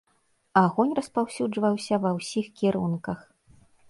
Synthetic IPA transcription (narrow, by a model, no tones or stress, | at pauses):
aɣɔnʲrɐspawsʲud͡ʐvɐwsʲɐvɐwsʲixkʲiɾunkɐx